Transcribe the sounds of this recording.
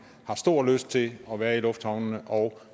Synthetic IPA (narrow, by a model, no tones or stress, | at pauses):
hɑ̈sd̥o̝ɐ̰løsd̥̚t͡sʰe̝ɒ̽ʋæːɐilɔ̽fd̥hɑ̈ʊnnəʔɒ̽ʊ